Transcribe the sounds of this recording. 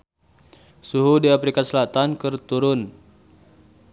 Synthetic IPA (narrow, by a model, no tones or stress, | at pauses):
suɦudiapɾikasəlat̪ankərt̪uɾʊn